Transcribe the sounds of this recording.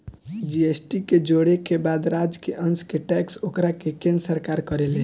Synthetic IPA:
d͡ʒiesʈiked͡ʒoɽekebad̪ɾad͡ʒkeʔənskeʈɛksokɾakekensəɾkaɾkəɾelẽ

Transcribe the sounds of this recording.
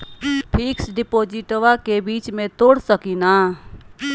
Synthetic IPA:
pʰiksɖipod͡ʒiʈʋakebit͡ʃmet̪oɽsəkina

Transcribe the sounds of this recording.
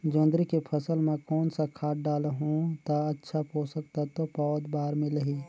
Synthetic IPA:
d͡ʒõːnd̪ɾikepʰəsəlmẽkɔːnsakʰaːʈ̚ɖaːlɦũt̪aətːʃʰapoːsək̚t̪at̪opɔːd̪baːɾmẽləɦiː

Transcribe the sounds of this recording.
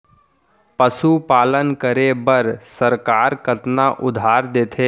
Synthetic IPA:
pəʃupaːlənkəɾebəɾsəɾkaːɾkət̪naʔʊd̪ʱaːɾd̪eːt̪ʰeː

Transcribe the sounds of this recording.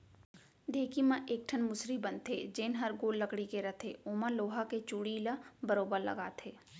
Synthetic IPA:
d̪ʱeːkimɐ̃ʔeːk̚ʈʰənmʊsɾibɐnt̪ʰed͡ʒeːnɦɐɾɡoːlːəkɽikeɾɐt̪ʰeoːmãloːɦaket͡ʃuɽiləbəɾoːbəɾlɐ̰ɡa̰ːt̪ʰeː

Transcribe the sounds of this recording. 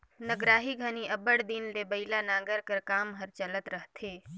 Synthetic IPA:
nəɡɾaːɦiɡʱəniʔɐbəɽd̪inlebəɪlanãːɡəɾkəɾkaːmɦəɾt͡ʃələt̪ɾəɦt̪ʰeː

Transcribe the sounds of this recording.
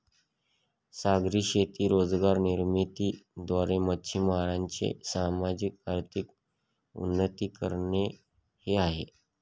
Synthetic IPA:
saɡɾiːɕet̪iːɾod͡zɡaɾniɾmit̪iːd̪ʋaɾemətːɕʰimaɾaɲt͡ɕḛsamad͡ʑik̚aɾt̪ʰik | ṵnːət̪iːkəɾɳe | heaɦḛ

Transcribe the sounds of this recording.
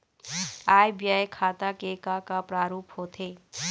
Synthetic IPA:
aːjbijaːjkʰaːt̪akekakapɾaːɾuːphoːt̪ʰeː

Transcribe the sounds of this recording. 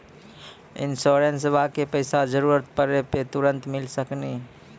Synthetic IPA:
ɪ̰nsoɾensbʱakepəɪsad͡ʒəɾuɾət̪̚pəɾepet̪uɾənt̪mɪlsəkni

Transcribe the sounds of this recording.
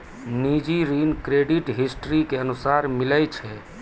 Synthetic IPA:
nid͡ʒiɾinkɾeɖiʈɦisʈɾikeənusaɾmiləjt͡ʃʰɛ

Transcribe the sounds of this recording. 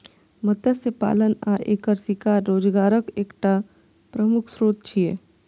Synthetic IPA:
mɐt̪əsepa̰ːlənaʔeːkəɾsikaːɾːoːd͡ʒɡaːɾəkeːkʈa | pɾəmʊkʰsɾoːt̪̚t͡ʃʰieː

